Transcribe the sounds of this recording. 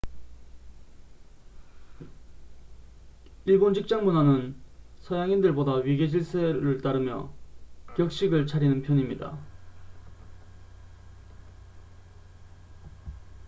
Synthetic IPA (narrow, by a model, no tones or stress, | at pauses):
iɭbond͡ʑik̚t͡ɕ͈aŋmunanɯnsʰʌjaŋindɯɭbodaɥiɡed͡ʑiɭsʰeɾɯɭt͈aɾɯmjʌ̰kjʌk̚ɕ͈iɡɯɭt͡ɕʰaɾinɯnpʰjʌɲimɲida̰